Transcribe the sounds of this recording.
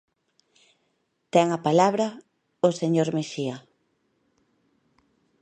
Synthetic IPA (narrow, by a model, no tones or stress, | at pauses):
t̪ɛŋapalaβɾɐ | oseɲoɾmeʃiɐ